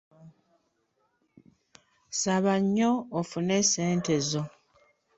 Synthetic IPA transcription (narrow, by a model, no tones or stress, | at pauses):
saβaɲːoːfuneseːnte̞zo̞